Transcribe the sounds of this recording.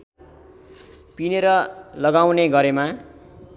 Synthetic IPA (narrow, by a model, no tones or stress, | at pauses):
pineɾʌlʌɡawneɡʌɾema